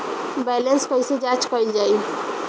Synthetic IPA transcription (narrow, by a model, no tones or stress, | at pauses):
bɛlenskɔised͡ʒat͡ʃkɔild͡ʒai